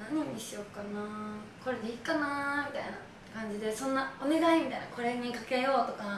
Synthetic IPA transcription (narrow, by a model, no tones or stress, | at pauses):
naɲ̟iɲ̟iɕio̞kːanaː | ko̞ɾe̞d̪e̞ikːanaːmʲit̪aina̰ | kãɲ̟d͡ʑid̪e̞sõ̞nːaone̞d̪aimʲid̪ajnako̞ɾe̞ɲ̟ːikake̞jo̞ːt̪o̞ka